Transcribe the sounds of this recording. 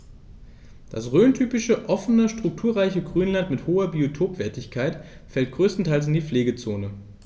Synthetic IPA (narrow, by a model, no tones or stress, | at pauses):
d̥asʁøːntʰyːpɪʃəʔɔfənəʃtʁ̥ʊk̚tʰuːɐʁaɪçəɡʁyːnlantmɪthoːɐbiotʰoːpv̥ɛːɐtɪçkʰaɪt | fɛlt̚ɡ̥ʁøːstn̩tʰaɪls̬ɪndiːfleːɡət͡soːnə